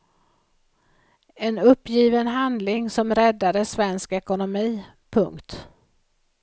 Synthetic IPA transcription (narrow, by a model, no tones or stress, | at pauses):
ɛnɵpːjiːvənɦand̪lɪŋsɔmɾɛd̪ːad̪əsvɛnskɛkʊnʊmiː | pʰɵŋkt̪